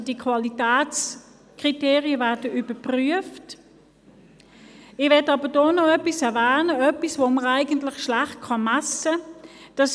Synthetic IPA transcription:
d̥iəkʰvɑlitæːt͡s | kʁ̥iteːʁiəvæːɐdəʔybəpʁyəft | ɪvɛtɑːbədɔːnɔœpisɛʁvæːnəœpisvoːməʁæɪɡəntlɪχʃlæχt̚kʰɑmæsəd̥ɑs

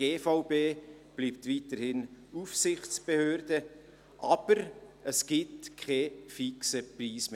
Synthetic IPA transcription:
eːfaʊbeːb̥liːp̚tvitəɾhɪnufsɪχt͡sb̥ehøːɾdə | ʔɑb̥əɾəsɡ̥ɪtkʰχɛːfiksəpriːsme

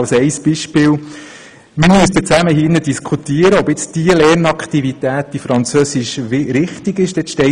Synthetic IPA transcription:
lsɛɪsb̥iʃpɪːl | məɾmyəst̪ət͡sæməɦiːnədiskʰut̪iːəɾəɔbɪt͡sd̥iəlɛːɾnɑkʰχtivit̪æːt̚d̥ifɾɑnt͡søːsɪʃvɪɾɪχtɪɡɪʃd̥ɛtʃtɛ

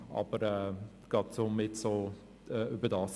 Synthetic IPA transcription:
ɑ̰bəɾɛː | ɡ̥ɑtsomɪtsoː | ɛʔøbədɑːs

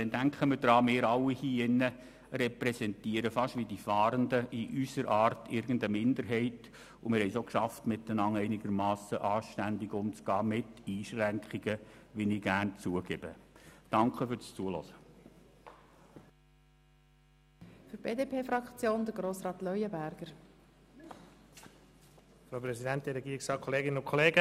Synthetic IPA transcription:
dɛndæŋkχəməd̥ɾɑːmɪːɾɑwːihiːɪnːə | rɛpɾɛsɛntiəɾəfɑʃʋidifɑːɾəndəʔiʔysəɾʔɑːɾtʰɪɾɡ̥ən̩dəmɪndəɾɦɛɪt | ʊmɪɾhɛɪsokʃɑftmɪt̪ənɑŋɛɪnɪɡəɾmɑːsəʔɑːʃtændɪɡʊmt͡sɡ̥ɑːmɪt̪iːʃɾæŋkχiɡ̥əʋɪniɡ̥ærnt͡suəɡeb̥əd̥ɑŋkχəfyɾst͡suəlɔ̰sə | fyɾb̥eːdeːpʰeːfɾɑkt͡sjoːnd̪əɾɡɾoːsɾɑːt̪lœjəbæɾɡ̥əɾ | fɾoʊpɾɛzidɛnt̚diɾɛɡiːɾɪksɑːkʰɔleːɡɪnənʊnkʰɔleːɡə

